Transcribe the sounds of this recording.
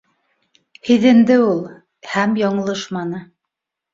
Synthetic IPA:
hiðɘ̆nd̪ɘulˠ | hæmjɑɴɤ̆lˠɤʃmɑnɤ

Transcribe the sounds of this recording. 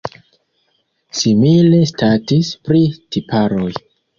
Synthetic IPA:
simile̞statispɾitipaɾo̞j

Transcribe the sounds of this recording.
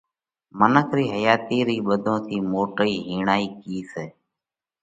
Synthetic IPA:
mənəkʰɾiːɦəjaːt̪iːɾiːɓəd̪ʱõːt̪ʰiːmoːʈəiːɦiːɳaːiːkiːseː

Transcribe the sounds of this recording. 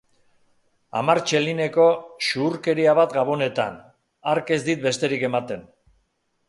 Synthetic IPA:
a̰maɾt͡ʃe̞line̞ko̞ʃuːɾke̞ɾiaβ̞at̪ɡaβ̞o̞ne̞t̪a̰n | aɾke̞zd̪it̪̚be̞st̪e̞ɾike̞mat̪e̞n

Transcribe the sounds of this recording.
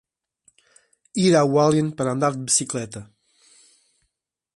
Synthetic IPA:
iɾawalˠjenpəɾand̪aɾd̪bisiklɛt̪ə

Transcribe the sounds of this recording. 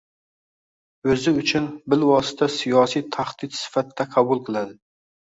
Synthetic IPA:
øzɪyt͡ʃʰynbɪlwɑsɨ̥t̪ʰɛsijɑːsijt̪ʰæχd̪̥it̪sɪ̥fæt̪ːɛqʰɑbulˠqʰɨlˠæd̪ɪ

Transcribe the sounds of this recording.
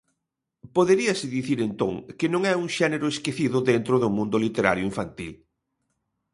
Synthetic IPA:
poðeɾiɐsɪðiθiɾent̪oŋkɪnõŋɛuŋʃɛneɾʊeskeθiðʊðent̪ɾʊðʊmũnd̪ʊlit̪eɾa̰ɾjʊiɱfant̪ḭl

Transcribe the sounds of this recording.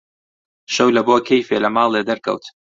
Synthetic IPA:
ʃɐwlɐboːkʰejfeːlɐmɑːlˠed̪ɐɾkɐ̰wt̪

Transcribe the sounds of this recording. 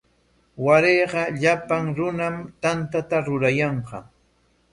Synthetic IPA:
waɾeːɢɑʎapaŋɾʊnamt̪ant̪at̪aɾʊɾajɑɴɢɑ̰

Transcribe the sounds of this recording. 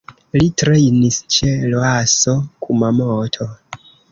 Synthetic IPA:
litɾe̞jnist͡ʃeloasokʰumamotʰo

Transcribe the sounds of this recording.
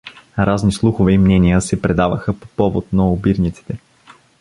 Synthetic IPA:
ɾaznislˠuxovɛimnɛnijəsɛpɾɛd̪avəxəpo̥pɔvo̰t̪̚nɐʊbiɾnit̪si̥t̪ɛ

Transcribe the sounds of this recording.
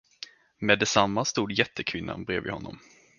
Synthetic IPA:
mɛːd̪ːɛsamːast̪uːd̪jɛt̪ʰːəkʰvɪnːa̰nbɾeːvɪ̰hɔnːɔ̰m

